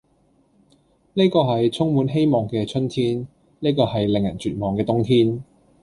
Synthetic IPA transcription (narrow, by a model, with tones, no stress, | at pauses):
neː˥jkɔː˧ɦɐ˨jt͡sʰʊ˥ŋmuː˨˥nɦe˥jmɔː˨˩ŋkɛː˧t͡ʃʰɵ˥nt̪ʰiː˥n | ne˥jkɔː˧hɐ˨jlɪ˨˩ŋjɐ˨˩nt͡ʃyː˨t̚mɔː˨ŋkɛː˧t̪ʊ˥ŋt̪ʰiː˥n